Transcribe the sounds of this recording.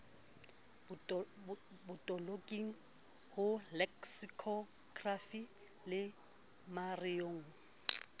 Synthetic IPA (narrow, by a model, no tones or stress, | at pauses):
bʊtʼɔlokʼiŋ̩ | hʊlɛksikʰɔɡrafi | lɪ | marijoːŋ̩